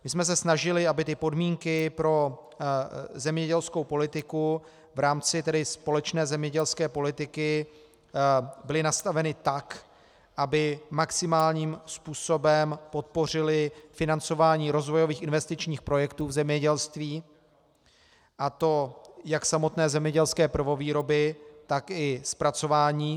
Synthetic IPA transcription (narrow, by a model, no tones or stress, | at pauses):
mɪsmɛs̬ɛsnaʒɪlɪabɪt̪ɪpo̞dmiːŋkɪpɾo̞ | zɛmɲɛɟɛlsko̞wpo̞lɪt̪ɪku | vɾaːmt͡sɪt̪ɛdɪspo̞lɛt͡ʃnɛːzɛmɲɛɟɛlskɛːpo̞lɪt̪ɪkɪ | bɪlɪnast̪avɛnɪt̪ak | ʔabɪmaksɪmaːlɲiːmspuːso̞bɛmpo̞t̪̚po̞r̝ɪlɪfɪnant͡so̞vaːɲiːɾo̞zvo̞jo̞viːxɪnvɛst̪ɪt͡ʃɲiːxpɾo̞jɛkt̪uːvzɛmɲɛɟɛlst̪viː | ʔat̪o̞jaksamo̞t̪nɛːzɛmɲɛɟɛlskɛːpr̩vo̞viːɾo̞bɪt̪akɪspɾat͡so̞vaːɲiː